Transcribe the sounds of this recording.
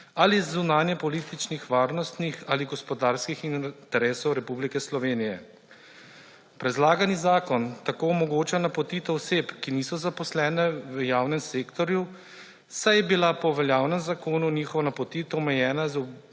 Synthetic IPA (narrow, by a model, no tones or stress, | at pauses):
alizːunaːnjɛpɔliːt̪it͡ʃnixʋaːɾnɔst̪nixaliɡɔspɔd̪aːɾskixint̪ɛɾɛːsɔwɾɛpublikɛslɔʋeːnijɛ | pɾɛd̪laːɡanizaːkɔnt̪akoːɔmɔɡoːt͡ʃanapɔt̪iːt̪ɔɔseːpkiniːsɔzapɔslɛːnɛʋjaːwnɛmseːkt̪ɔɾju | sajɛbilapɔʋɛljaːwnɛmzakoːnunixɔʋɔnapɔt̪iːt̪ɔmɛjɛːnazu